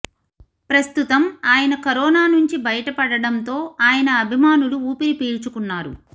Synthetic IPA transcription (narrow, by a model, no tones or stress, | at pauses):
pɾɐst̪ut̪ɐmaːjɐnɐkɐɾɔːnaːnuɲt͡ʃibɐjɐʈɐpɐɽɐɽɐnt̪o̞ːaːjɐnɐːbʱimaːnuluuːpiɾipeːɾt͡ʃukunːaːɾṵ